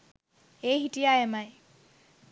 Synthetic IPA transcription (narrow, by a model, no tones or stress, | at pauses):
eɦitijaemaj